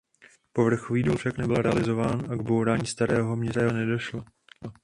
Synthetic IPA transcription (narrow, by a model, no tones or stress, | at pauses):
po̞vr̩xoviːduːlfʃaknɛbɪlɾɛa̰lɪzo̞vaːnʔaɡbowɾaːɲiːst̪aɾɛːɦo̞mɲɛzanɛdo̞ʃla